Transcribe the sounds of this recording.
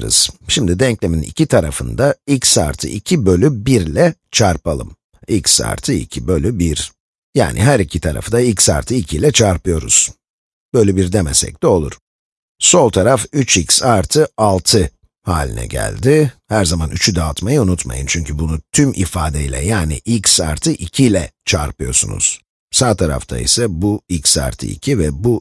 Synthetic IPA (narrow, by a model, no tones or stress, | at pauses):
ɾɯ̰z̥ʃimd̪id̪ɛɲclʲeminḭcʰit̪ʰaɾafɯ̰nd̪aicsa̰ɾt̪ʰɯ̰ʔicʰibø̞lʲybiɾlʲɛt͡ʃʰaɾpalˠɯ̰m | icsa̰ɾt̪ʰɯḭcʰibø̞lʲybiɾ | ja̰ːnʔḭɦæɾicʰit̪ʰaɾa̰fɯd̪aicsa̰ɾt̪ʰɯicʰilʲɛt͡ʃʰaɾpɯjo̞ɾṵz̥ | b̥øjlʲɛbiɾd̪emɛsɛ̰c̚t̪ɛo̞lˠṵɾ̥ | so̞lˠt̪ʰaɾafyt͡ʃicsaɾt̪ʰɯalˠt̪ʰɯ | haːlʲḭnɛ̰ɟæ̰lʲd̪ɪhæɾzamanʔyt͡ʃʰyd̪aːt̪majɯunut̪ma̰jɯnt͡ʃʰyɲcʰybunut̪ʰymʔḭfaːd̪eilʲɛ̰jaːnḭʔilcsa̰ɾt̪ʰɯʔicʰilʲɛt͡ʃʰaɾpɯjo̞sṵnṵz̥ | saːt̪ʰaɾa̰ft̪ʰa̰ḭsɛbuicsa̰ɾt̪ʰɯ̰ḭcʰivɛbu